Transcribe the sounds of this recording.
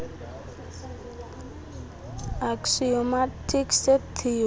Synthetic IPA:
aksiomatʰikset̪ʰi

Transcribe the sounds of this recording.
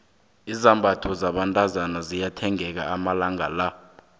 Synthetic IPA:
izambʱatʰɔzaɓantʼazanazijatʰɛŋɛk̬aamalaŋala

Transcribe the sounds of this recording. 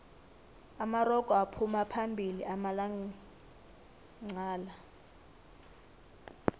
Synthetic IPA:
amarɔkʼɔapʰumapʰambʱiliʔamalaŋi | ŋ͡ǀaːla

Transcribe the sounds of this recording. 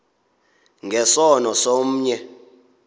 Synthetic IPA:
ŋɡʱɛsɔnɔsom̩ːɲɛ

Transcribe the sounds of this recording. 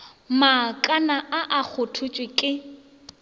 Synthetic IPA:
makʼanaʔaʔak͡xʰʊtʰʊt͡ʃʼwɪkʼɪ

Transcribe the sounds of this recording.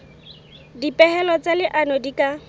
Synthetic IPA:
dipʼɛhɛlɔt͡salɪʔanɔdikʼa

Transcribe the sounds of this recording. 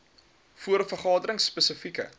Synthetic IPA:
fuəɾfərχɑːdəɾəŋsːpəsəfikə̰

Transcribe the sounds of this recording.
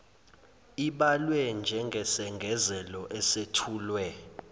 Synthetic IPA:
iɓalwɛnd͡ʒʱɛŋɡʱɛsɛŋɡʱɛzɛlɔʔɛsetʰuːlwɛ

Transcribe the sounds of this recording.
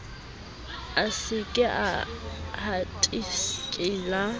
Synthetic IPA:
asɪkʼɪʔahatʼiskʼɪːla

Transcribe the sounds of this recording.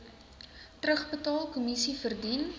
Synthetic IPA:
trɾəχbətɑːlˠkɔmisifərdin

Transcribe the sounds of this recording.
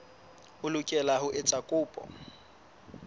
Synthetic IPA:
ʊlʊkʼɛlaɦʊʔɪt͡sʼakʼʊːpʼɔ̰

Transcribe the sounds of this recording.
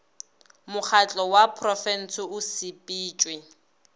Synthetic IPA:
mʊk͡xʰat͡ɬʼɔwapʰrɔfɛn̩sʰɪʊsɪpʼiːt͡ʃʼwɪ

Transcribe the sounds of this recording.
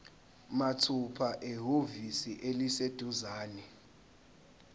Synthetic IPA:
matʰupʰaʔɛɦovisiʔelised̥ʱuzaːnɛ

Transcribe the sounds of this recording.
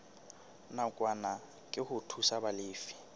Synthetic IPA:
nakʼwana | kʼɪhʊtʰusabalɪːfi̥

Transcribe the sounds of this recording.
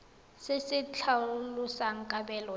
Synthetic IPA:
sɪsɪt͡ɬʰalusaŋ̩kʼabɛːlɔ

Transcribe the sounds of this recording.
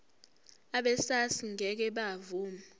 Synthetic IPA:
aɓɛsasiŋɛk̬ɛɓavuːmaa

